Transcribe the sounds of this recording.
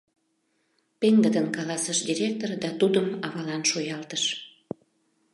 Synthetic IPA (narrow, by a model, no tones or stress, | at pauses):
peŋd̪əd̪ənkɑlɑsəʃd̪ʲiɾʲek̚t̪ord̪ɑt̪ud̪əmɑβɑlɑnʃojɑlt̪əʃ